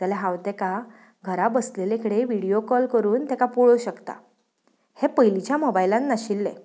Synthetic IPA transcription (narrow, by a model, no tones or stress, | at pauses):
t̪alaɦãwt̪eka | ɡʱəɾabəslelekəɽeʋiɽijokɔlkəɾuːnt̪ɛkapuɭoɕəkt̪a̰ | hepəjlit͡ɕjamɔbajlanːaɕilːḛ